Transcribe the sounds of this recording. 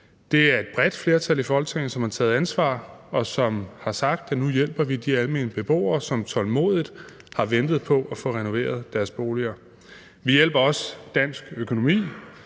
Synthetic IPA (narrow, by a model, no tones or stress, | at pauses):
d̥e̝æɐe̝d̥b̥ʁɛd̥fle̝ɐt͡sʰælifɒɒlt͡sʰeŋ̰n̩sɒ̽mhɑ̈t͡sʰɛ̰ːð̩ˠænsʋɑ̰̈ːɒ̽sɒ̽mhɑ̈sɑ̈ɡ̥̚d̥ænujel̰b̥ɐʋid̥iælme̝̰nb̥e̝b̥o̝̰ːɐːsɒ̽mt͡sʰɒ̽lmo̝̰ːð̞ˠid̥ˠ | hɑ̈ʋend̥ð̩ˠpʰɒ̽ʔɒfɔ̽ʁɛno̝ʋe̝̰ːɐð̞̩ˠd̥æɐsb̥o̝ːliɐ | ʋijel̰b̥ɐɒ̽sd̥æn̰sɡ̥økʰo̝no̝mḭː